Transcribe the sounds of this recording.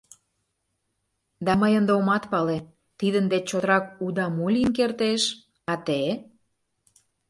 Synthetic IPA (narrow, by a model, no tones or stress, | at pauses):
d̪ɑməjənd̪eomɑt̪pɑle | t̪id̪ənd̪et͡ɕot̪ɾɑkud̪ɑmulʲinkert̪eʃ | ɑt̪e